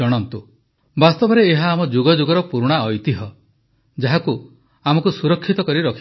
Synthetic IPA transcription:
ɔɽ̃ɔnt̪u | bast̪ɔbɔɾeːɦaːmɔd͡ʒuɡɔd͡ʒuɡɔɾɔpuɾɽ̃aɔjt̪iɦɔ | d͡ʒaɦaku | amɔkusuɾɔkʰːit̪ɔkɔɾiɾɔkʰi

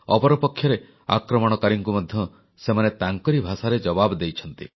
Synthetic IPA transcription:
ɔpɔɾɔpɔkʰːjɔɾe | a̰kɾɔmɔɽ̃ɔkaɾiŋkumɔd̪ʱjɔ | semanet̪aŋkɔɾibʱasaɾed͡ʒɔbabɔd̪ejt͡ʃʰɔn̪t̪ḭ

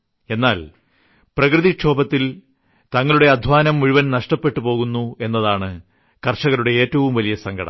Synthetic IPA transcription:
e̞nːaːl | prɐkrɨðiʂʰo̞ːbɐt̪ːil | t̪ɐŋːɐɭuɽe̞ɐd̪ʱʋaːnɐmːuɻuʋɐnnɐʂʈɐpːe̞ʈːupo̞ːɣunːue̞nːɐðaːɳɨ | kɐrʂɐɣɐɾuɽe̞eːtːɐʋumʋɐlijɐsɐŋɡʱɐɽɐ̰m

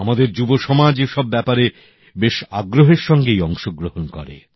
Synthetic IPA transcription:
amad̪eɾd͡ʑuboʃɔmad͡ʑeʃɔbːɛpaɾe | beʃaɡɾoɦeɾʃɔŋɡejɔŋʃoɡɾohonkɔ̰ɾḛ

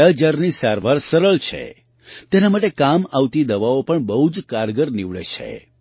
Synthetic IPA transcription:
əd͡ʒaɾnisaɾʋaɾsəɾəɭt͡ʃʰḛ | t̪enamaʈekamaʋt̪id̪əʋaopəɳbəɦud͡ʒkaɾɡəɾniʋɭḛt͡ʃʰḛ

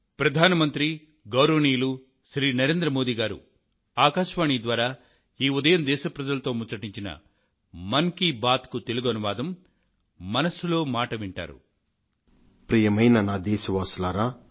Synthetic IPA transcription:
pɾɐd̪ʱaːnɐmɐnt̪ɾi | ɡɐwɾoniːlu | ʃɾiːnɐɾe̞ːnd̪ɾɐmoːd̪iːɡaːɾṵ | aːkaːʃʋaːɳid̪ʋaːɾaː | iːud̪ɐjɐmd̪ɛːʃɐpɾɐd͡ʒɐlɐt̪o̞ːmut͡ʃɐʈiɲt͡ʃinɐ̰ | mɐŋkibaːt̪kut̪e̞luɡɐnuʋaːd̪ɐmː | ɐnɐsulo̞ːmaːʈɐʋiɳʈa̰ːɾṵ | pɾiːjɐmɐjnɐnaːd̪ɛːsɐʋaːslaːɾaː

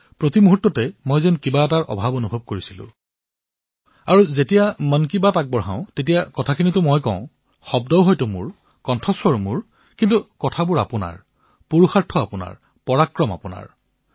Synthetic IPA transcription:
pɹotimuɦutːɔtɛmojzɛnkibaɛtaɹʔɔ̰bʱabonubʱɔb̚koɹisilʊ̰̃ | aɹuzetijamənk̬ibatak̚bɔɹɦã̰ʊ̃tet̬ijakɔtʰakʰinitʊmojkɔ̃ʊ̃ | xɔb̚dɔɦɔjtʊmʊ̰ɹ | kɔntʰɔswɔɹmʊɹ | kintukɔtʰabʊɹa̰pʊna̰ɹ | puɹuxaɹtʰːɔapʊna̰ɹ | pɔɹakɹɔma̰pʊna̰ɹ

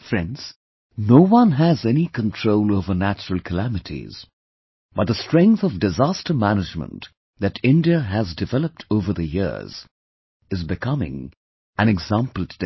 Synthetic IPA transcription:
fɹɛ̃nz̥ | noʊwʌ̃nɦɨzɛnikʰə̃ntʰɹ̥oʊloʊvə˞næt͡ʃəɹəl̩ˠkʰəlæmɨɾʰḭz̥ | b̥ʌt̪̚ðəstɹ̥ɛ̃ŋkθʌvdɨzæstʰə˞mænɨd͡ʒmə̰̃nt | ðɨɾɪ̃ndiɨɨzdɨvɛlˠəp̚tʰoʊvə˞ðɨjɪ̰ɹz̥ | ɨzbɨkʰʌmɪ̰̃ŋ | ʔɨ̃nɨɡzæ̃mpəl̩ˠtd

